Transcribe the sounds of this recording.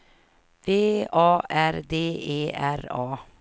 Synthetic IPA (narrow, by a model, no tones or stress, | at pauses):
veːɑːʔæɾd̪eːeːʔæɾɑː